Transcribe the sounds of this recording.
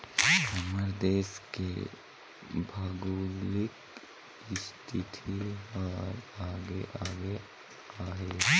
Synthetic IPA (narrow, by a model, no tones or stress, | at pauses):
ɐməɾd̪eːskḛ | bʱaɡuːlɪk | ɪst̪ʰɪt̪ʰiɔːɾaːɡeʔaːɡe | aːɦe